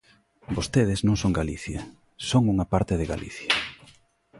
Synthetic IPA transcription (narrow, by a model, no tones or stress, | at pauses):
bost̪eðɪznõŋsoŋɡaliθjɐ | soŋuŋɐpaɾt̪ɪðɪɣa̰lḭθjɐ